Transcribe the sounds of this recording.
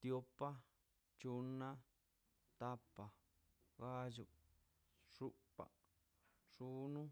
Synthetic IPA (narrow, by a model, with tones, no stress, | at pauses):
t̪jo˧˦pːa˦ | t͡ʃu˧nːã˦ | t̪a˦pːa˨ | ɣa˦d͡ʒu˧˨ | ʂu˦pːa̰˨ | ʂu˦nũ˦